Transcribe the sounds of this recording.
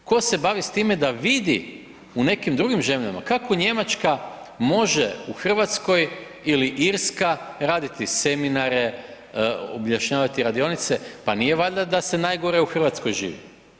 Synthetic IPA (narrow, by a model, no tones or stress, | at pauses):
ko̞se̞baʋist̪iːmed̪aʋid̪i | une̞kimd̪ɾuɡimʒe̞mʎama̰kako̞ɲe̞mat͡ʃka | mo̞ʒeuxr̩ʋat̪sko̞j | iliʔiɾskaɾaːd̪it̪ise̞minaɾe̞ | obʎaʃɲaːʋat̪iɾad̪io̞nit̪se̞panijeʋaʎd̪ad̪ase̞naːjɡo̞ɾeuxr̩ʋat̪sko̞jʒḭːʋḭ